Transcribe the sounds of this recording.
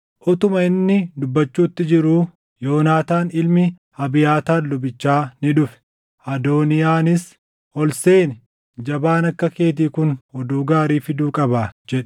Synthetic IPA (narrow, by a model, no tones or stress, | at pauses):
ʔɔt̪ʊmɐɪnːɪd̪ʊbːɐt͡ʃːuːt̪ːɪd͡ʒɪɾuː | jo̞ːnaːt̪aːnɪlmɪ | hɐbɪjaːt̪aːnlʊbɪt͡ʃːaːnɪᶑʊfɛ̥ | ɐd̪o̞ːnɪjaːnɪs | ɔlse̞ːnɪ | d͡ʒɐbaːnɐkːɐke̞ːt̪̬iːkʊnhɔd̪uːɡaːɾiːfɪd̪uːkʼɐbaːd͡ʒɛᶑ̥